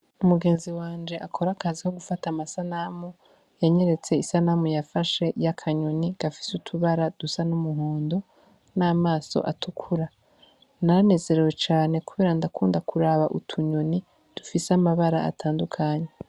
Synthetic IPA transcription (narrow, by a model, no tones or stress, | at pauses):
umuɡe̞ːnziwaːnd͡ʒe̞ʔakʰo̞ɾakaziho̞ɡufatamasanamu | jaɲe̞ɾe̞t͡se̞isanamujafaʃe̞jakʰaɲo̞niɡ̥afi̥sutʰuβaɾad̥usanumuɦoːndo̞ | naːmaːso̞̰ʔatukʰuɾa | naɾane̞ːze̞ɾe̞we̞t͡ʃaːne̞kuβeːɾandakuːndakʰuɾaβaʔutʰuɲoni | d̥ufisamaβaɾaa̰tʰaːndukʰaɲe